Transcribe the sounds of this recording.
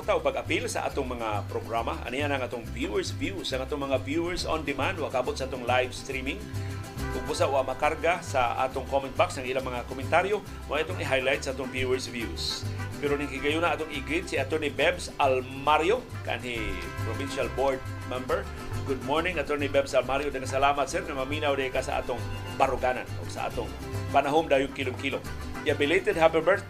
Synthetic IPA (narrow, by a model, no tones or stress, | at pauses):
t̪aʔopaɡapilsɐ̰ʔa̰ːt̪ʊŋmɐŋapɾoɡɾamaʔɐ̰nijanɐŋʔaːt̪oŋvjuɛɹsvjusɐŋaːt̪oŋmɐŋavjuɛɹso̰nd̪ɪmand̪waɡkaabot̪saʔaːt̪oŋlajvst̪ɾimɪŋt̪ʊɡ̚bʊsaʔwamɐkaɾɡasaʔa̰ːt̪ʊŋkomɛnt̪̚baksɐŋʔilaŋmɐŋakomɪnt̪aɾjo | wʔaʔat̪oŋɪɦajlajt̪saaːt̪oŋvjuɛɹsvjuspɛɾonɪŋkiɡajunaʔaːt̪ʊŋɪɡɾit̪̚siat̪ɛɾnibɛbsal | maɾjo | ka̰nhi | pɾobinʃalboɹd̪̚ | mɛmbəɹ | ɡʊd̪̚moɹnɪŋʔat̪ɛɹnibɛbsalmaɾjod̪anasalaːmat̪sɛɾŋamaminawd̪akasa̰ʔa̰ːt̪ʊŋ | baɾʊɡaːna̰no̰ɡsa̰ʔa̰ːt̪ʊŋ | panaɦʊmd̪aːjʊŋkiloŋkilo | iabɪlejt̪ɛd̪hapɛbɛɹt̪̚